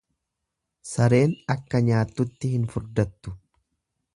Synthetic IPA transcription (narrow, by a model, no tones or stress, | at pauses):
sɐɾe̞ːnɐkːɐɲaːt̪ːʊt̪ːɪhɪnfʊɾd̪ɐt̪ːʊ̥